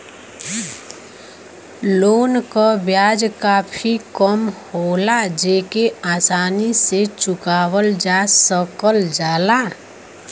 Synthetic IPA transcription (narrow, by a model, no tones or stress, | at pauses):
loːnkabjaːd͡ʒkaːpʰikəmhoːlad͡ʒeːkeaːsaːniset͡ʃʊkaːwəld͡ʒaːsəkəld͡ʒaːlaː